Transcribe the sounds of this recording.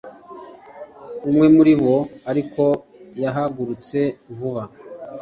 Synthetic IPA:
umŋe̞muɾiβo̞aɾikʰo̞ | jaɦaɡuɾut͡se̞ɱvuβa

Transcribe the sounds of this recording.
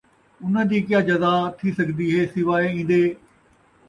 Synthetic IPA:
ʊn̤əd͡ʑiːkɪjaːd͡ʑɐzaːt̪ʰisɐɡd̪iːɦeːsɪʋaːeĩːn̆d̪eː

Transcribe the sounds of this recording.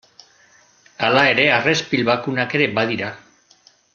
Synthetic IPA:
alae̞ɾe̞are̞spilβakunake̞ɾe̞baðiɾa

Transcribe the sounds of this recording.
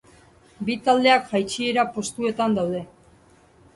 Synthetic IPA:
bit̪ald̪e̞akʝajt͡ʃie̞ɾapo̞st̪ue̞t̪and̪awðe̞

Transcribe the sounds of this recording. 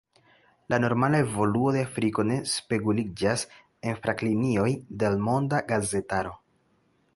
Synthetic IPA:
lʔano̞ɾmalae̞vo̞luo̞deafɾiko̞ne̞spe̞kulid͡ʒas | e̞nfɾʔaklinio̞jde̞lmo̞ndaɡaze̞taɾo̞

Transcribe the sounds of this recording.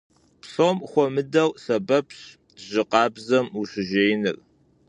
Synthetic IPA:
psomχʷɔmɨdɐwsɐbɐpʰɕ | ʑɪqɑːbzɐmuɕɪʒeːjnɨ̰r

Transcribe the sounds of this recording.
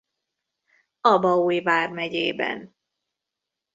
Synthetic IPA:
ɒbɒuːjvaːrmɛɟeːbɛ̰n

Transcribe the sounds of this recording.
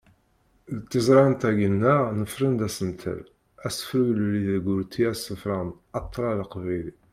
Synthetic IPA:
ðət̪ːəzˤɾˤɑnt̪æɡənːəʁnəfɾənd̪æsəmt̪ʰə̰l | æsə̥fɾulliðɡʊɾt̪ʰːiæsəfɾɑn | ɑt̪ˤːɾˤɑləqvæjli

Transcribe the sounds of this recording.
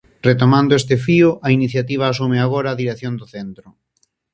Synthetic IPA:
ret̪omãnd̪oest̪ɪfiʊainiθjat̪iβ̞aːs̬umeaɣ̞oɾaːðiɾeθjond̪ʊθent̪ɾʊ

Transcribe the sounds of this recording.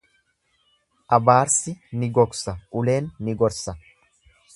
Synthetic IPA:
ʔɐbaːɾsɪnɪɡɔksɐʔʊle̞ːnːɪɡɔɾsɐ

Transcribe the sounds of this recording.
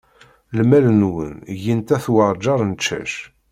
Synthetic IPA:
lmælənwə̰njənt̪æθwɑɾˤd͡ʒɑɾˤnt͡ʃːæ̰ʃ

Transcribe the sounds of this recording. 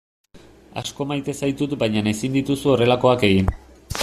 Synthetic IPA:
a̰sko̞majt̪e̞sajt̪ut̪bajɲane̞sind̪it̪usuo̞re̞lako̞ake̞ɣin

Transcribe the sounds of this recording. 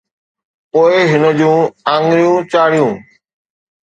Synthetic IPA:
poːɪɦɪnəd͡ʑũːãːŋɡɾɪjũːt͡ʃaːɽɪjũː

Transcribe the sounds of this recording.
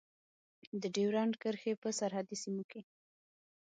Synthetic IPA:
d̪əɖewɾɑnkəɾxepəsaɾɦad̪isimoke

